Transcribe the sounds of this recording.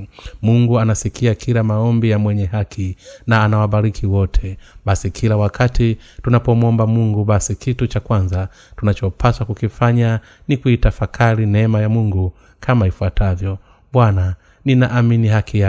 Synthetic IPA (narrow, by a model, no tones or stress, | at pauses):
muŋɡuanasikiakʰiɾamaɔmbijamwɛɲɛɦakʰinaːnawaɓaɾikʰiwɔtʰɛɓasikʰilawakʰati | tunapɔmuɔmbamuŋɡuɓasikitut͡ʃakwanza | tunat͡ʃɔpʰaswakukifaɲa | nikuitafakʰaɾinɛmajamuŋɡu | kʰamaifuatʰavjɔ | ɓwana | ninaʔaminihakija